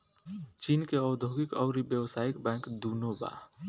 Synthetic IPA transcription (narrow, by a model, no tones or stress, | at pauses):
t͡ʃiːnkeɔʊd̪ʱoɡikɔ̰ʊɾibjəwsaːikbɛ̃ŋkd̪unoba̰